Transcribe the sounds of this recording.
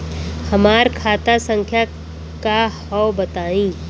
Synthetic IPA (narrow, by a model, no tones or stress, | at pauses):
hɐmaːɾkʰaːt̪asə̃ŋkʰja | kahɔwbɐt̪aːĩː